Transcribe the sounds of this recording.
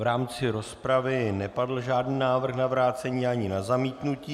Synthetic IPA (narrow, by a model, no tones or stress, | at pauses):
ɾaːmt͡sɪɾo̞spɾavɪnɛpadl̩ʒaːdniːnaːvr̩xnavɾaːt͡sɛɲiːʔaɲɪnazamiːt̪nuciː